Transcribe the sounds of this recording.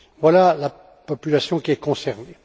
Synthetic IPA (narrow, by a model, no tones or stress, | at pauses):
vwalala | pɔpylasjɔ̃kʲiɛkɔ̃sɛʁne